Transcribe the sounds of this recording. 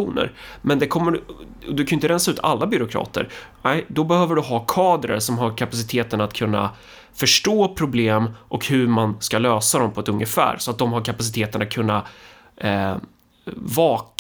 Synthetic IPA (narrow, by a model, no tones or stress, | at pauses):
uːnə̰ɾmɛnd̪ɛkʰɔmːəɖ | ɔd̪ɵkʰanjʏɪnt̪əɾɛnsaʉ̟ːt̪a̰lːabʏɾʊkʰɾɑ̰ːt̪ə̰ɾnɛɪd̪ɔbɛhøːvəɖɵɦɑːkʰɑːd̪ɾə̰ʂɔmɦaɾkʰapasɪt̪ʰeːt̪ənat̪kʰɵnːa̰ | fœʂʈoːpʰɾʊbleːmʔɔkhɵɾmanskaløːsad̪ɔmpʰɔɛt̪ɵŋːəfæ̰ːɾsɔat̪̚d̪ɔmhaɾkʰapas̬ɪt̪ʰeːt̪əɳat̪̚kʰɵnːa | vɑːk